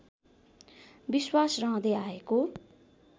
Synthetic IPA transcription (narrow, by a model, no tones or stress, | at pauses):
biswasrʌ̃ɦʌ̃d̪ʌaeko